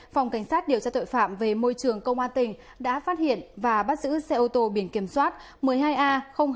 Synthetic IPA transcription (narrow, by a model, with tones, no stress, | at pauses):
fwŋ͡mka˧˩jŋ̟saː˦˥t̚ɗi˨˩əwt͡ɕaː˧t̪o̰˧˨jfa̰ː˧˨mve˨˩mo˧jt͡ɕɨ˨˩əŋkə˧wŋ͡mʔaː˧nt̪ï˨˩ŋ̟ | ɗa̰ː˧˥faː˦˥t̚hḭ˧˨ənvaː˨˩ɓa˦˥t̚zɨ̰˧˥sɛ˧ʔo˧t̪o˧ɓi˧˩ənki˧˩əmswaː˦˥t̚ | mɨ˨˩əjɦaː˧jʔaː˧xə˧wŋ͡m